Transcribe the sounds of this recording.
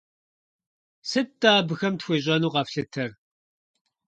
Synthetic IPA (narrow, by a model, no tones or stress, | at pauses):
sɨtːaːbɨxɐmtxʷeːʑ̬ʼɐnuːqɐfɬɨtʰɐr